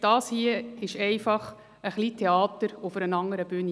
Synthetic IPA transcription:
d̥ɑːshiəɪʃɛɪfɑχ | əχliːtʰɛɑːt̪əɾʊfəɾənɑŋəɾəb̥yːni

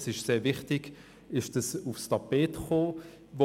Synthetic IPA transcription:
sɪʃseːɐvɪχtɪɡ | ɪʃd̥ɑsufstʰɑpeːtχoː | vo

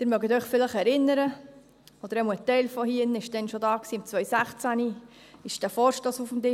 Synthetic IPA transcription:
d̥ɪɾmœɡətœʏχfɪlɪχɛɾɪnːəɾə | ɔd̥̪əɾɛməətɛɪlfɔhiənɪʃd̥ɛnʃodɑːksiːmt͡sʋœɥsæχt͡sæni | ɪʃd̥æfɔːɾʃtosufmdɪ

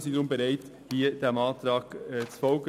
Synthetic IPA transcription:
siːdɾʊmbɛɾaɪt | viːd̥eːɐmɑːt̪ɾɑːkt͡sfɔlɡ

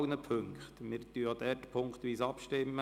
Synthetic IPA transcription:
nəpʰøŋkχt̪mɪːɾtyɑd̪ɛːɾtpʰʊŋkχt̪ʋiːsɑpʃtɪmːə

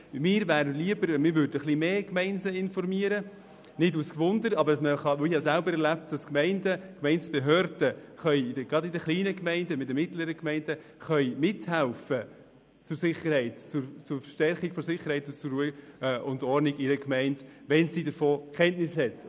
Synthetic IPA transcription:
mɪːɾʋæːɾdəliəbəɾmɪːɾʋʉɾdəχlimeːkmɛɪnsəɪnfɔɾmiəɾə | nɪduskʋʊndəɾɑbəɾdɑsməχɑʋoɪhɑsælbəɾɛɾlæp̚td̥ɑskmɛɪndəkmɛɪnt͡sb̥eɦøːɾd̥əχœʏɪdəɡɾɑdɪdəχliːnəkmɛɪndəmɪdəmɪtləɾəkmɛɪnd̥ə | χœʏmɪthælfə | t͡sʊɾsɪχːəɾhɛɪtt͡sʊɾt͡sʊɾfʃtɛɾχiɡfɔɾsɪχːəɾhɛɪtʊnt͡sʊɾːujʔʊndɔɾnɪɡɪɾəkmɛɪndʋɛnsidəɾfoːkʰɛntnɪshɛt

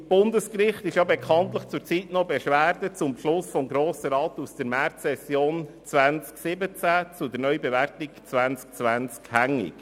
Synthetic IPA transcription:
b̥ʊndəskrɪχtɪʃjɑbekʰɑnt̪ləχt͡sʊɾt͡sitnɔbeʃʋæːɾdət͡sʊmpʃlʊsfɔmɡɾoːsəɾɑːt̪usd̥əɾmæɾtɛsjoːn | t͡svʋænt͡sksɪbət͡sæt͡sʊdəɾnœʏbɛvæɾtɪkt͡sʋænt͡sk̚t͡sʋænt͡skhæŋːɪ̰k

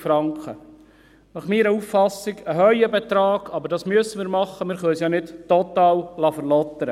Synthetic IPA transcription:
fɾɑŋkχə | nɑχmiːɾəuffɑsiɡəɦœʏəbɛt̪ɾɑːɡ̥ɑbəɾdɑːsmyəsəmɪːɾmɑχːəmɪːɾχœsjɑnɪdtɔt̪ɑːwlɑfəɾlɔt̪ːəɾə

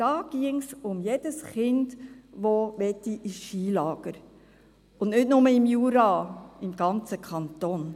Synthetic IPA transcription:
d̥ɑːɡ̥iəŋsʊmjed̥əsχɪndʋoʋɛtːiʔɪsʃiːlɑːɡ̥əɾ | ʊndnɪtnʊməɪmjuɾɑɪmɡ̥ɑnt͡səkʰɑnt̪oːn

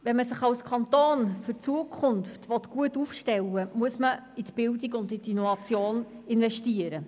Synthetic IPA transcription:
ʋɛnməsəχɑwskʰɑnt̪oːnfʏɾt͡suəkʰχʊnftʋɔt̪ɡ̥uətufʃtɛlːəmuəsməit̪b̥ɪldiɡʊndit̪inɔvɑt͡sjoːnɪnvɛʃtiəɾə

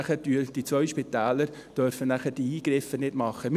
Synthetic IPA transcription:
χəd̥yd̥it͡sʋœʏʃpit̪æːləɾ | d̥œɾfənæχəd̥iiːɡ̥ɾɪfənɪdmɑχːəm

